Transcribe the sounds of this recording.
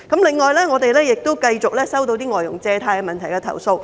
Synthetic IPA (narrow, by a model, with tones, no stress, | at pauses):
kɐ˨˥mlɪ˨˩ŋːɔː˨jlɛː˥ŋɔː˨˧t̪e˨jlɛː˥jɪ˨k̚t̪o˥wkɐ˧jt͡sʊ˨k̚lɛː˥sɐ˥wt̪o˧wt̪iː˥ŋɔː˨˩jʊ̰˨˩ŋt͡sɛː˧t̪ʰaː˧jkɛ˧mɐ˨nt̪ʰɐ˨˩jkɛ˧t̪ʰɐ̰˨˩wso˧w